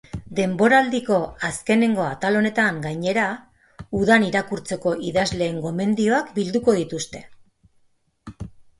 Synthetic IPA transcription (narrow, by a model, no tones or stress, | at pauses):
d̪e̞mbo̞ɾald̪iko̞aske̞ne̞ŋɡo̞at̪alo̞ne̞t̪aŋɡajɲe̞ɾa | uðaniɾakuɾt͡se̞ko̞ʔiðazle̞ːŋɡo̞me̞nd̪io̞akbild̪uko̞ð̞it̪ust̪e̞̥